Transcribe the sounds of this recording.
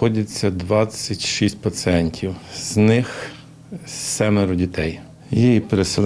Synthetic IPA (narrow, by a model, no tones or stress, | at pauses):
ɔdʲɐt͡sʲːɐd̪ʋɑt͡sʲːɐtʲʃisʲtʲpɐt̪sɨɛnʲtʲʰiwz̥nɪx | sɛmeɾʊdʲit̪ɛj | jijipeɾesel